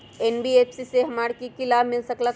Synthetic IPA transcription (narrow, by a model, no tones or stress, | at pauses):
eːnbiepʰsiseɦɐmaːɽkikɪlaːbmɪlsɐkla